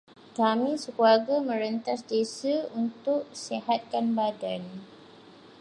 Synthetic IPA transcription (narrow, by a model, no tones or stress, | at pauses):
kamĩsəkuarɡamə̃ɾənt̪asdesaunt̪ʊk̚seɦat̪̚kanbadan